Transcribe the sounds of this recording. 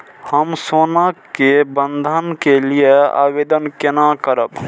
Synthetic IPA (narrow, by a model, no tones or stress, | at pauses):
həmsonakebənd̪ʱənkelijea̰bed̪ənkenakəɾəb